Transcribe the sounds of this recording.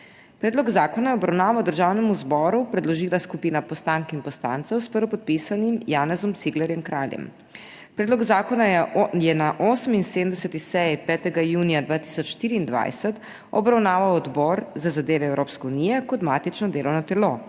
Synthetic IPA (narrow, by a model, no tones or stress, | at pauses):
pɾɛːd̪lɔɡzaːkɔnajɛɔbɾawnaːʋawd̪əɾʒaːwnɛmuzbɔːɾupɾɛd̪lɔʒiːlaskupiːnapɔst̪aŋkinpɔst̪a̰nt̪sɛwspəɾɔpɔt̪̚pisanimjaːnɛzɔmt̪siɡlɛɾjɛmkɾaːljɛ̰m | pɾɛːd̪lɔɡzakɔnajɛnaʔoːsəminsed̪əmd̪ɛsɛt̪ixsɛjpɛːt̪ɛɡajuːnijad̪ʋaːt̪i̥ːsɔt͡ʃʃt̪iːɾiːnd̪ʋa̰jsɛt̪ | ɔbɾawnaːʋawɔd̪bɔɾzazad̪eːʋɛɛwɾoːpskɛunijɛkɔd̪maːt̪it͡ʃnɔd̪eːlɔwnɔt̪ɛlo